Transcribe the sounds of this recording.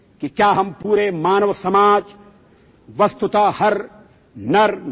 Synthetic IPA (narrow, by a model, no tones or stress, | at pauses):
kikjaːɦɐmpuːɾemaːnɐʋsɐmaːd͡ʒ | ʋɐst̪ut̪aːhɐɾ | nɐɾ